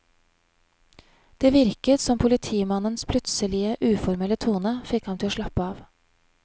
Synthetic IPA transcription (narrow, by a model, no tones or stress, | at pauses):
d̪̥eːʋɪɾkət̪sɔmpʰʊlɪt̪ʰiːmɑnənspʰlʉt̪səlɪəʔʉːfɔɾmɛlət̪ʰuːnəfɪkhɑmt̪ʰɪloːʂʃɭɑpəɑːʋ